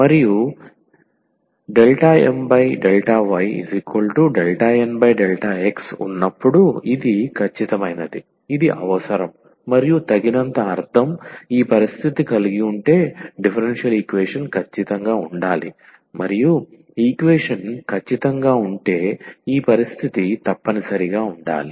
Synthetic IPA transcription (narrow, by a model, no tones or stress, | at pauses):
mɐɾiju | ɖelʈaːḛmbɐjɖelʈaːʋɐjḭzikʋɐlʈuɖelʈaːenbɐjɖelʈaːeksṵnːɐpːuɽuid̪ikʰɐt͡ʃːit̪ɐmɐjnɐd̪i | id̪iʔɐ̰ʋɐsɐɾɐmː | ɐɾijut̪ɐɡinɐnt̪ɐːɾt̪ʰɐmiːpɐɾist̪ʰit̪ikɐliɡiuɳʈe̞ːɖipʰɐɾenʂijɐliːkʋɛːʂɐnkʰɐt͡ʃːit̪ɐŋɡaːuɳɖaːlḭ | mɐɾiju | iːkʋeːʂɐnkʰɐt͡ʃːit̪ɐŋɡaːuɳʈe̞ːiːpɐɾist̪ʰit̪it̪ɐpːɐnisɐɾiɡaːuɳɖa̰ːli